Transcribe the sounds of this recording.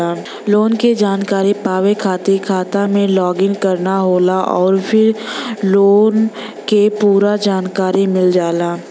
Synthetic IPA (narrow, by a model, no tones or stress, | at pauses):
aː | loːnked͡ʒaːnkaːɾipaːʋekʰaːt̪ekʰaːt̪amẽlɔːɡɪ̃ŋkɐɾnaɦoːlaʔɔːɾpʰɪɾloːn | kepuːɾad͡ʒaːnkaːɾimɪld͡ʒaːlaː